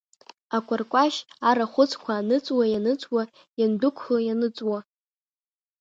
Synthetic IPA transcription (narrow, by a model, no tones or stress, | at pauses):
akʷʼarkʷʼaʃaɾaχʷʊt͡sʰʼkʷʰaːnɨt͡sʼwajanɨt͡sʷʼwa | jandʊkʷʰχojanɨt͡sʼwa